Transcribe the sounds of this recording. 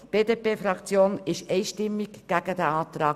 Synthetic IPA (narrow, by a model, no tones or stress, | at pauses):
b̥eːd̪eːpeːfɾɑkt͡sjoːnɪʃɛɪʃtɪmːikɡ̥æɡ̥əd̪æɑːt̪ɾɑː